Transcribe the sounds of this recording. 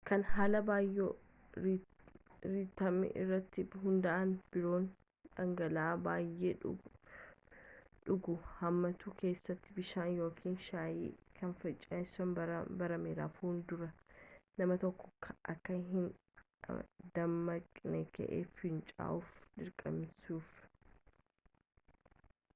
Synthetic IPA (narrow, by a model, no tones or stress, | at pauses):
kɐnhaːlɐbaːjo | ɾit̪ːɐmɪ̰ʔɪ̰rːɐt̪ːɪɦʊnd̪ɐʔɐnb̥ɪɾo̞ːn | ᶑɐŋɡɐlaːbaːjʔeː | ᶑʊɡʊhɐmːɐt̪uːke̞ːsːɐt̪ːɪbɪʃaːnjo̞ːkʰiːnʃaːjḭːkʰɐnfɐt͡ʃʼːaɪsɐnbbɐɾɐmeːɾaːfhuːnd̪ʊɾɐnɐmɐt̪ɔkːɔ̥kʰʔɐkːɐɦɪn | d̪̥ɐmːɐkʼnɛkɐ̰ʔḛːfhɪnt͡ʃʼa̰ːʔʊfᶑɪɾkʼɐmsuːf